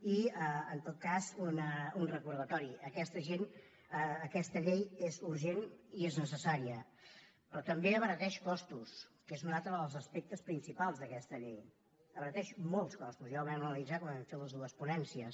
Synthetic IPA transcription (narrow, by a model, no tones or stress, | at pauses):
iəənt̪ot̪̚kazunəunrəkuɾð̞ət̪ɔɾiəkɛst̪əʒen | əːkɛst̪əʎejezuɾʒenieznəsəsaɾiə | pɾɔt̪əmbeəβəɾət̪ɛʃkɔst̪uskezuməðat̪əβəlˠzəspek̚t̪əspɾinsipalˠzðəkɛst̪əʎej | əβəɾət̪ɛʃmolˠskɔst̪uzjawβɾɛmənəlid͡zakwanɛmfeləzðuəspunɛnsiəs